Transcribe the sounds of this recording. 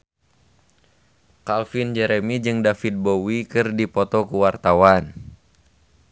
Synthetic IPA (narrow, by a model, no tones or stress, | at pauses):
kalfind͡ʒɛɾɛmid͡ʒɨŋdafit̪̚bowikɨrdipɔt̪ɔkuwart̪awan